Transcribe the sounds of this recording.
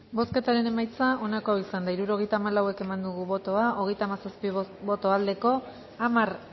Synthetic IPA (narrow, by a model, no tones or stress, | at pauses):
bo̞ske̞t̪aɾe̞ne̞majt͡saʔo̞nakoaisand̪aiɾuɾo̞ɣ̞e̞jt̪aːmalawe̞ke̞mand̪uɣ̞uβo̞t̪o̞ao̞ɣ̞e̞jt̪aːmasaspibo̞t̪o̞ald̪e̞ko̞ | amar